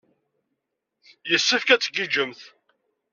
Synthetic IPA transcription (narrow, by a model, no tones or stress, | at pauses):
jəsːəfkæt͡sːəɡid͡ʒəmθ